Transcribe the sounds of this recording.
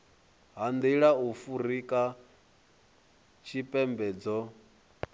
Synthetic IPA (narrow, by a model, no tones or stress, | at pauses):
ɦand̪iɺaufuɾikʼa | t͡ʃʰipʼɛmbɛːd͡zɔ